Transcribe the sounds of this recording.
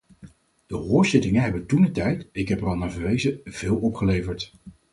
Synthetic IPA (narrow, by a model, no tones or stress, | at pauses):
d̥əɦʊːɹzɪtɪŋənɦɛbəntunətɛjtɪkɦɛpɛɹɑlˠnaːvəɹʋejzəv̥ɪːlˠɔpχəlejvəɹt